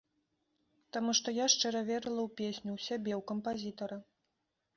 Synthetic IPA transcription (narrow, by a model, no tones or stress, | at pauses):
t̪amuʂt̪ɔjaʂt͡ʂɛɾɐvʲɛɾɨlˠɐwpʲesʲnʲuwsʲabʲɛwkɐmpazʲit̪ɐɾɐ